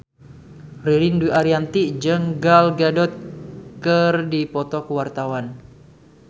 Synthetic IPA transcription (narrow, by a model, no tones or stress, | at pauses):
riɾinduiʔaɾiant̪iʔd͡ʒəŋɡalɡadɔt̪̚kərdipɔt̪ɔkəwart̪awan